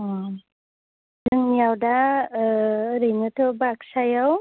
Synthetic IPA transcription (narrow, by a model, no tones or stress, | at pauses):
dɯŋnijawda | ɾɯjnɯtʰɯbaksajaw